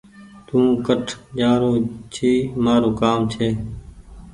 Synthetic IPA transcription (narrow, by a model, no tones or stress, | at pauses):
t̪ũːkəʈʰd͡ʒaːɾoːt͡ʃʰiːmaːɾoːkaːmt͡ʃʰeː